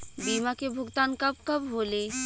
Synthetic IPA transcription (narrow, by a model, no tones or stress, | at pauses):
bimakebʱoɡt̪ankab̚kabɦole